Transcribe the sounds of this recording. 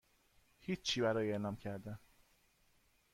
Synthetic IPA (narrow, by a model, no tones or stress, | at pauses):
hiːiːbæɾɒːjeʔlɒːmcʰæɾd̪æn